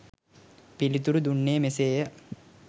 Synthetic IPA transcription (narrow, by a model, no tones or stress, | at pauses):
pilit̪uɾud̪uɳːeːəmeseːjə